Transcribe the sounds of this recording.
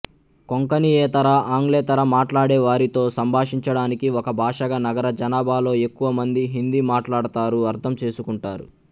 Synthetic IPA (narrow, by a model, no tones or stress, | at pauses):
koŋkɐnijeːt̪ɐɾɐʔaːŋɡlɛːt̪ɐɾɐmaːʈlaːɽeːʋaːɾit̪o̞ːsɐmbʱaːʂiɲt͡ʃɐɽaːnikiɔkɐbʱaːʂɐɡanɐɡɐɾɐd͡ʒɐnaːbʱaːlo̞ːe̞kːuʋɐmɐnd̪iɦind̪imaːʈlaːɽut̪aːɾuɐɾt̪ʰɐmt͡ʃe̞ːsukuɳʈaːɾu